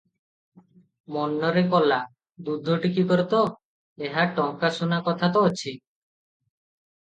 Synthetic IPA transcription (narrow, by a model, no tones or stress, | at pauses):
mɔnːɔɾekɔla | d̪ud̪ʱɔʈikikɔɾt̪ɔ | eɦaʈɔŋkasunakɔt̪ʰat̪ɔːt͡ʃʰi